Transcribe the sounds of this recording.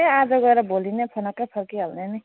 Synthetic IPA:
ead͡zʌɡʌeɾʌbolinepʰonʌkːapʰʌrkiɦalneni

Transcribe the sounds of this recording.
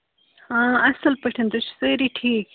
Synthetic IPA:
ãɐsɐlpɐʈʰɐnd̪ut͡ʃseɾiʈʰiːk

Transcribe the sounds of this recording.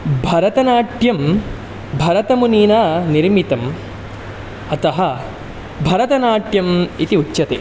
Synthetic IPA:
bʱɐɾɐt̪ɐnaːʈjɐm | bʱɐɾɐt̪ɐmuniːnaːniɾmit̪ɐm | ɐt̪ɐɦɐ̆ | bʱɐɾɐt̪ɐnaːʈjɐmit̪iutːɕɐt̪ḛː

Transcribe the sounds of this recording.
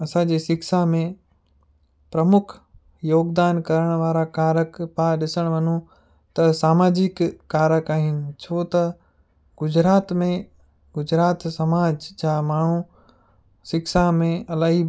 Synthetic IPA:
ɐsãd͡ʑeːsɪksamẽ | pɾɐmʊkʰ | joːɡd̪aːnkɐɾəɽ̃ʋaːɾakaːɾəkpaɗɪsəɽ̃ʋɐnũ | t̪ɐsaːmaːd͡ʑɪkːaːɾəkaːɦɪnɪ̆t͡ɕʰoːt̪ɐ | ɡ̥ʊd͡ʑɾaːt̪mẽ | ɡʊd͡ʑɾaːt̪sɐmaːd͡ʑd͡ʑaːmaːɳ̤ũ | sɪkʃamẽɐlaːɦi

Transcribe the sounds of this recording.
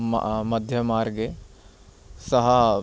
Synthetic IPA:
mɐd̪ʱjɐmaːɾɡe | sɐɦɐ

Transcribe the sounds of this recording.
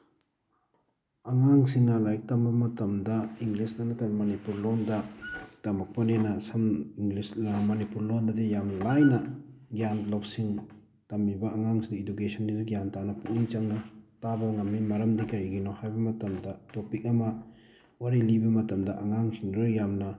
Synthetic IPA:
ɐŋaŋsiŋnɐlajk̚tɐmbɐmɐtɐmdɐiŋɡlisdɐnɐtɐmmɐnipuɾlondɐtɐmɐk̚pɐnenɐsɐmiŋlismɐnipuɾlondɐdijamlajnɐɡjanlop̚siŋ | tɐmːibɐːŋaŋsiŋidukesɐndidɐɡjantanɐpuk̚nit͡ʃɐŋnɐtabɐwŋɐmːimɐɾɐmdikɐɾiɡinɔhajbɐmɐtɐmdɐtopik̚ɐmɐ | waɾilibɐmɐtɐmdɐʔɐŋaŋsiŋɾɯjamnɐ

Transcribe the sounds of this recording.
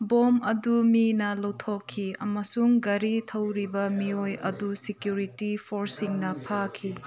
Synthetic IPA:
bomɐduminɐlɐwtʰokʰːiɐmɐsuŋɡɐɾitʰɐwɾibɐmiojɐ̰dusikjuɾitipʰoɾsiŋnɐpʰakʰi

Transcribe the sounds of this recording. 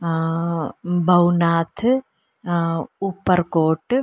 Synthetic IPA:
bʱɐwnaːt̪ʰ | upːɐɾkoːʈ

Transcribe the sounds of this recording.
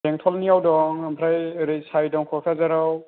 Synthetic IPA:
eŋtʰɔlniawdɔŋamʰɾajɾisajdɔŋkʰɔtʰazaɾaw

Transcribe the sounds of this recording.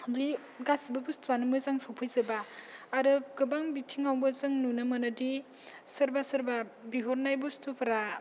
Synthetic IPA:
di | ɡasibɯbustʰuanɯmɯzaŋsawpʰajzɯbaːɾɯɡɯbaŋbitʰiŋawbɯzɯŋnunɯmɯnɯdi | sɯɾbasɯɾbabiɦoɾnajbustʰupʰɾa

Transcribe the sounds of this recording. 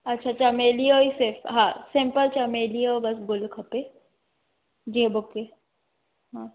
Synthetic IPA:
ɐtːʃʰat͡ʃʰameːlijoiseɾfɦãːsɪ̃mpəlt͡ʃɐmeːliobɐsɡʊlkʰɐpe | d͡ʒiɦẽbokːe | ɦã

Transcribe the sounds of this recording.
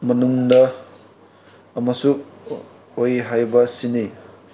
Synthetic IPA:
mɐnuŋdɐ | mɐsu | ojɦajbɐsini

